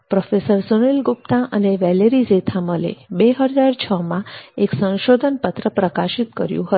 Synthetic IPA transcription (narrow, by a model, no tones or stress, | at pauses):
pɾofesəɾsənilɡup̚t̪ãʔəneʋɛleɾizet̪ʰaməlḛbeɦəd͡ʒaɾt͡ʃʰəmãeksə̃nʃod̪ʱənpət̪ɾəpɾəkaʃit̪kə̰ɾjṵ̃ɦət̪